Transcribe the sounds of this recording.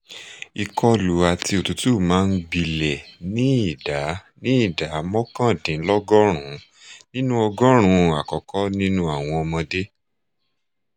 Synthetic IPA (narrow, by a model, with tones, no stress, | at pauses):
i˨kɔ˧lu˨a˧˨ti˧o˨tu˨˧tu˦˨mãː˨˦n̩˦ɡ͡bi˧lɛ˨nĩ˦i˦˨da˨˦nĩ˦i˦˨da˨˦mɔ̃˦kã˦˨dĩ˨˦lɔ˦ɡɔ˦ɾ̃ũ˨˦ | nĩ˦nũ˦ɔ˧ɡɔ˦ɾ̃ũ˨˧a˨kɔ˨kɔ˦nĩ˦nũ˦a˦˨w̃ɔ̃˧ɔ˧mɔ̃˧de˦